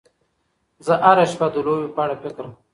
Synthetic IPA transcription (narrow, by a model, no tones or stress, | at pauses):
zəʔaɾaʃpad̪əlowipaɽapɪkɾm